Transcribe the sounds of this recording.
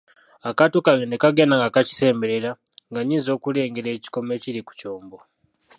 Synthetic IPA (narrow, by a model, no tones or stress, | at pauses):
akatokaenekaɡenaŋɡakaci̥se̞ːmbeɾeɾa | ŋɡaɲinzo̞ːkule̞ːŋɡeɾe̞ːci̥ko̞me̞ːciɾiku̥co̞ːmbo̞